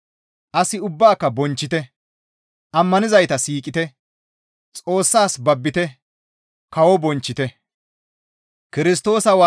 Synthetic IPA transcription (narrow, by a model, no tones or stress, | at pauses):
ʔɐsɪʊbːaːkːɐbɔnt͡ʃːɪt̪ɛ | ʔɐmːɐnɪzɐjt̪ɐsiːkʼɪt̪ɛ | t͡sʼo̞ːsːaːsbɐbːɪt̪ɛ | kɐwɔbɔnt͡ʃːɪt̪ɛ | kɪɾɪs̬t̪o̞ːsɐwa